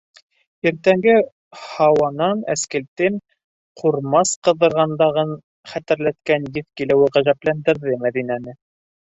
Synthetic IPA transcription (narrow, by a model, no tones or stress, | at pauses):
iɾt̪æŋɡɘ | hɑwɑnɑnæ̰skælt̪ɘŋ | qʰuɾmɑsqɤ̆ðɤ̆ɾʁɑnd̪ɑʁɤɴ | χæt̪ɘ̆ɾlæt̪kænjɘθkilɘwɘʁæʒæplænd̪ɘ̆ɾðɘmæðinænɘ